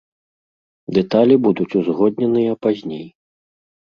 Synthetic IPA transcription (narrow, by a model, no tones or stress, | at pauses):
d̪ɛt̪alʲibud̪ut͡sʲuzɣɔd̪̚ʲnʲɐnɨjɐpazʲnʲej